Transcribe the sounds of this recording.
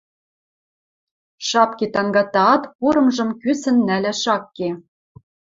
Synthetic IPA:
ʃɑpket̪ɑŋɡɑt̪ɑɑt̪puɾɤ̆mʒɤ̆mkysɘ̆nːælʲɘ̆ʃɑkːe

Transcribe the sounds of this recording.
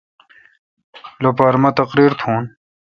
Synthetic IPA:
lopaːɾmɐt̪ɐqɾiːɾt̪ʰũːn

